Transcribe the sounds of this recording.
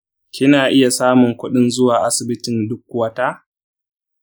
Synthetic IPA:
kʲɪ˦naː˨ʔɪ˦ja˨saː˦mʊ˨ŋkʷʊ˦ɗɪ˦nzʊ˦waː˨ʔa˦sɪ˨bɪ˦tɪ˨ndʊ˦k̚ːwɐ˦taː˦

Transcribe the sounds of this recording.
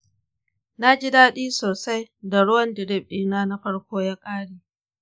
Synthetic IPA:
na˦d͡ʒi˦daː˦ɗiː˦soː˨sa˦jda˨ɽʊ˦wɐ˦ndɪ˨ɾɪ˦˨b̚ɗiː˦naː˦na˦ɸɐ˦ɽkʷoː˦ja˦kʼaː˦ɽiː˨

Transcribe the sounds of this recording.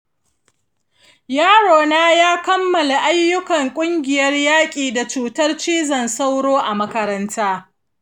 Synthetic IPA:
jaː˦ɽoː˨naː˦jaː˦kɐ˦mːɐ˨la˨ʔa˦jːʊ˦kɐ˨ŋkʷʼʊ˦ŋɡʲɪ˨jɐ˦rjaː˦kʲʼiː˨da˨t͡ʃuː˨tɐ˦rt͡ʃiː˦zɐ˨nsa˦wɽoː˦ʔa˨mɐ˦kɐ˦ɾɐ˦ntʰaː˦

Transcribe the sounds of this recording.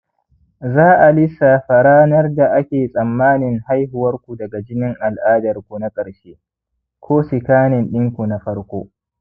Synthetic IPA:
zaː˦ʔa˨lɪ˦sːa˨ɸa˨ɽaː˦nɐ˦rda˨ʔa˦kʲeː˨sʼɐ˨mːaː˦nɪ˨ŋha˦jɦʊ˨wɐ˦rkʷu˨dɐ˨ɡa˨d͡ʒɪ˦nɪ˦ŋʔa˨lʔaː˦dɐ˨rkʷu˨na˦kʼɐ˨ɽʃeː˦ | kʷʰoː˦sɪ˨kaː˦nɪ˨nɗɪ˦ŋkʷu˨na˨ɸɐ˦ɽkʷoː˦

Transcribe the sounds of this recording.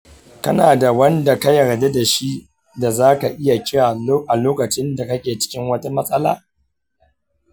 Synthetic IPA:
kɐ˦naː˨da˨wɐ˦nda˨ka˦jɐ˨ɾde˦da˨ʃi˦ | da˨zaː˦ka˨ʔɪ˦ja˨kʲɪ˦waː˨˦ʔa˨loː˦kɐ˨t͡ʃɪ˦nda˨kɐ˦kʲeː˨t͡ʃɪ̥˦kʲɪ˦ŋwɐ˦ta˦mɐ˦sʼɐ˦la̰ː˦

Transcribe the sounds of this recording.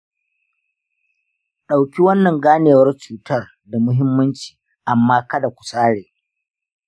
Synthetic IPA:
ɗa˨wkʲi˦wɐ˦nːɐ˨ŋɡaː˦neː˨wɐ˦rt͡ʃuː˨tɐ˦r | da˨mʊ˦ɦɪ˦mːɐ˦nt͡ʃi̥ː˨ | ʔa˨mːaː˦kɐ˦da˨kʷu̥˨saː˦ɽeː˨

